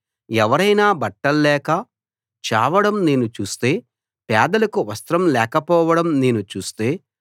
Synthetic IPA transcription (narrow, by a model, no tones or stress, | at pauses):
ɛʋɐɾɐjnaːbɐʈːɐlːɛːkɐ | t͡ʃa̰ːʋɐɽɐmne̞ːnut͡ʃuːst̪e̞ː | pɛːd̪ɐlɐkuʋɐst̪ɾɐmlɛːkɐpɔːʋɐɽɐmne̞ːnut͡ʃuːst̪e̞ː